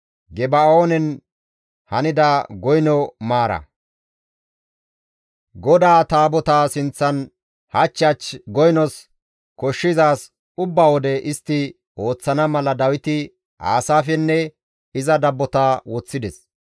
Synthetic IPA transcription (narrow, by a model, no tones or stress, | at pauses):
ɡɛbɐoːnɛn | hɐnɪd̪aɡɔjnɔmaːɾɐ̰ | ɡɔd̪aːt̪aːbɔt̪aːsɪnt͡sːɐn | hɐt͡ʃːɐt͡ʃɡɔjnɔs | kɔʃːɪzaːs | ʊbːaːwɔd̪ɛʔɪst̪ːɪ | o̞ːt͡sːɐnɐmɐlɐd̪ɐwɪt̪ɪ | a̰ːsaːfɛnːɛ | ɪzɐd̪ɐbːɔt̪aːwɔt͡sːɪd̪ɛs